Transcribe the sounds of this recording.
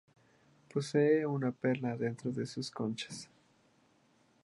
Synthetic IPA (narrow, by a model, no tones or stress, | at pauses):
po̞seːunape̞ɾnaðent̪ɾoðe̞suskont͡ʃḁs